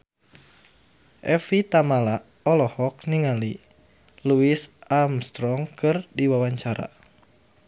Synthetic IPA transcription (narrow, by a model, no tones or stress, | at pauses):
ʔɛfit̪amalaʔ | ɔlɔhɔk̚niŋali | luisamst̪ɾɔŋkɨrdiwawaɲt͡ʃaɾa̰